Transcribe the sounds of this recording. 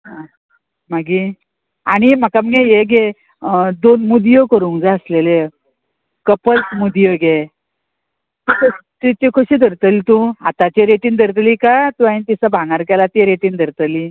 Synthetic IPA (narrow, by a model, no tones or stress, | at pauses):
ɦã | maɡi | aɽ̃iməkaməɡejeɡe | d̪onmud̪ijəkəɾuːŋd͡zaəslele | kəpəlsmud̪ijəɡe | t̪ikʰot̪it̪ikʰoɕiːd̪ʱəɾt̪əlit̪ũat̪at͡ɕeɾeʈiːnd̪ʱəɾt̪liːkat̪ũãt̪isabʱãŋɡaɾkɛlat̪iɾeʈind̪ʱəɾt̪əli